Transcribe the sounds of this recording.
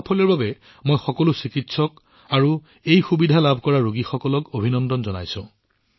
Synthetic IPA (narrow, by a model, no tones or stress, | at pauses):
pʰɔlɛɹbabɛ | mojxɔkɔlʊsikitsɔk | aɹu | ejxubidʱalabʱkɔɹaɹoɡixɔkɔlɔkobʱinɔndɔnzɔna̰jsʊ̃